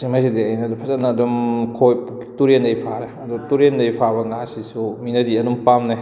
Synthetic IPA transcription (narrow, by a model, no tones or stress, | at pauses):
simajsidiɐjnɐdupʰɐzɐtnɐːdumkʰojp | tuɾendɐjpʰaɾeɐdutuɾendɐjpʰabɐŋasisuminɐdiɐdumpamnaj